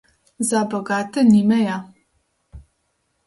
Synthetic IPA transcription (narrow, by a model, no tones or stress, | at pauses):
zaːbɐɣaːtʰɨniːmɐjaː